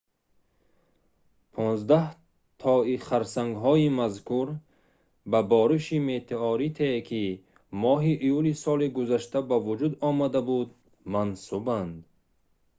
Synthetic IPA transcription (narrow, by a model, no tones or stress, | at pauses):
pʰɔnzd̪ah | t̪ʰɔiχaɾsaŋɡɦɔimazkʰuɾ | babɔɾiʃimet̪ʰeɔɾit̪ʰekʰi | mɔɦiʔːjulisɔliɡuzaʃt̪ʰabavud͡ʒud̪ɔmad̪abud̪ | mansuband̪